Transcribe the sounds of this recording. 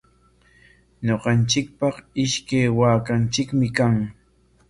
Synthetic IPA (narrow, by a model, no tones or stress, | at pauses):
ɲoqɑnt͡ʃɪk̚pɑqɪʃkajwaːkant͡ʃɪkmɪkaŋ